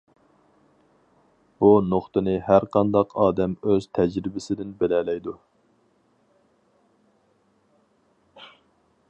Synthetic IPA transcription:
b̥unoχt̪ɨnɨɦæɾqʰɑnd̪ɑqʰɑːd̪ɛmøz̥t̪ʰɛd͡ʒɾɪbɪsɪd̪ɪnbelɛlɛjd̪u

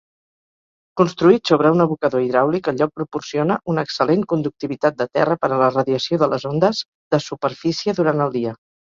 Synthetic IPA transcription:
kunst̪ɾuit̪soβ̞ɾəunəβukəðoiðɾawlikəʎɔk̚pɾupursionəʔunəksəleŋkund̪uk̚t̪iβit̪at̪̚d̪ət̪ɛ̰rəpəɾələrəðiəsioðələzond̪əz | ðəsupəɾfisiəðuɾant̪əlˠd̪iə

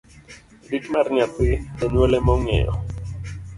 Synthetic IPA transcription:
dikmaɾɲat̪ɪd̪ɛɲelɛmɔŋɛ̰jɔ̰

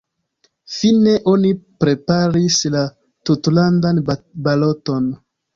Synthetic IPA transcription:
fine̞ʔo̞nipɾe̞paɾisla | tutlandanbalo̞to̞n

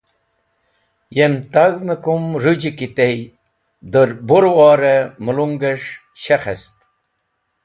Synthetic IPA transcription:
jemt̪ɐɡmekumɾud͡ʑikit̪ei | d̪əɾboɾwɑːɾemuluŋɡeʂ | ɕexḛst̪

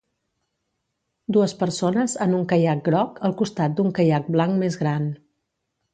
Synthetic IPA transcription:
d̪uəspəɾsonəzanuŋkəjak̚ɡɾɔkəlˠkust̪at̪̚d̪uŋkəjak̚blaŋkmezɣɾan

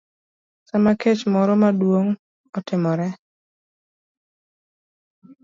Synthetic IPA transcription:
samaket͡ʃmɔɾɔmadwoŋ | ɔtɪmɔɾɛ

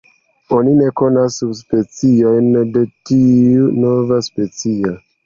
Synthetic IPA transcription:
onine̞ko̞nasːubspe̞t͡sio̞jnde̞tiuno̞vaspe̞t͡sio

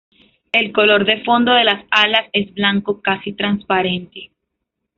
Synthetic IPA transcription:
e̞lko̞lo̞ɾðe̞fo̞nd̪o̞ðe̞lasalase̞zblaŋko̞kasit̪ɾanspaɾe̞nt̪e̞

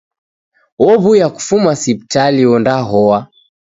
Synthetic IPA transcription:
wɔβujaku̥fumasip̚italiɔndaɦɔwa

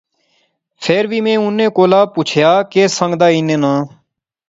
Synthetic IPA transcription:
pʰeːɾʋiːmẽːʊnːẽːkoːlaːpuːt͡ʃʰjaːkeːsə̃ŋɡd̪aːinẽːnãː

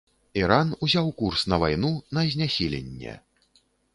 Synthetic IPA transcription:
iɾanuzʲawkursnɐvajnunɐzʲnʲasʲilʲḛnʲːɛ̰

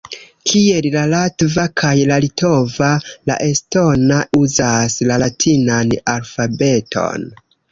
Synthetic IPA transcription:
kʰie̞llalatvakʰajlalito̞vala̰ʔe̞sto̞nauzaslalatʰinanalfabe̞tʰo̞̰n

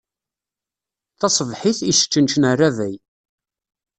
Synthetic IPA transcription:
θɑsˤəvħiθisə̥t͡ʃːənʃənərːavæj

